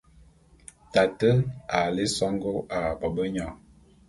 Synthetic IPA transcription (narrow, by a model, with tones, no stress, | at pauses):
ta˨tə˦a˨le˦sɔ˦ŋɡo˦a˨bɔ˨bə˦ɲɔ˨